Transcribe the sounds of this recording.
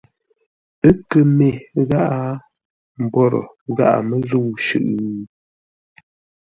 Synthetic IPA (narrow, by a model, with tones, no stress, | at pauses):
ə˦kə˨me˨ɣa˦ʔa˦ | m̩˨bɔ˦˨ɾɔ̰˨ | ɣa̰˦ʔa̰˨mə˦zu˦˨wʃʉ̰˨ʔ